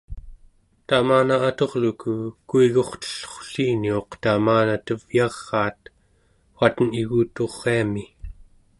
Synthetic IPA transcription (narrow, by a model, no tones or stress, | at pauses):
t̪amaːnaːt̪o̞ʁlukukuiɣo̞χt̪ə̥ɬχo̥ɬiːnio̞qt̪amaːnat̪əv̥jɑʁːɑːt̪ | xuat̪əniɣuːt̪oʁːeami